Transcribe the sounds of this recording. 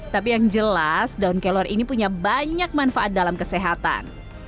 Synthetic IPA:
t̪ap̬ijaŋd͡ʒəlasdaunkelɔrʔinipuɲabaɲak̚manfaʔat̪̚dalamkəseɦat̪a̰n

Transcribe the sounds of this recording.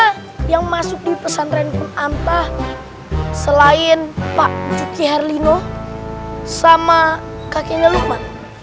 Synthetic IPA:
jaŋmasʊk̚dipəsanɾɛnpʊnant̪ah | səlaɪnpaʔd͡ʒukiɦarlino | sama | kakeɲəliman

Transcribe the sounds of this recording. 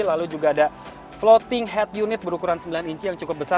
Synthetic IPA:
lalud͡ʒuɡaːda | flot̪ɪŋɦɛt̪̚junɪt̪̚bəɾukuɾansəmbilaniɲt͡ʃijaŋt͡ʃukʊp̚bəsa

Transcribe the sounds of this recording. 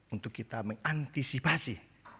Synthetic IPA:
unt̪ʊkːit̪aməŋant̪isipasi

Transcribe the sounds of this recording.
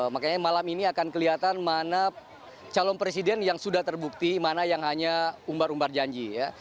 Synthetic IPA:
makaɲamalaminiakankəliat̪anmana | t͡ʃalɔnpɾes̬idɛnjaŋsudaht̪ərbuk̚t̪imanajaŋɦaɲaumbaɾumbard͡ʒaɲd͡ʒija

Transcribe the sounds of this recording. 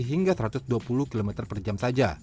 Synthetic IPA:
ɦiŋɡasəɾat̪ʊsduapuluhkilomɛt̪ərpərd͡ʒamsad͡ʒa̰

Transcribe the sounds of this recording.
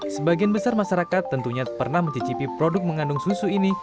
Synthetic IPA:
səbaɡianbəsarmaʃaɾakat̪ːənt̪uɲapərnahmət̪it͡ʃipipɾodʊk̚məŋandʊŋsusuini

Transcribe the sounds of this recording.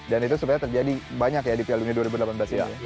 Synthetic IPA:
danit̪usupajat̪ərd͡ʒadibaɲakjadipialuɲaduaɾibudəlapanbəlasja̰

